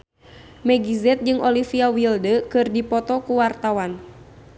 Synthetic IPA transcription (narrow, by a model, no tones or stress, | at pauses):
mɛɡizɛt̪̚d͡ʒɨŋʔɔlifiawildəkɨrdipɔt̪ɔkuwart̪awan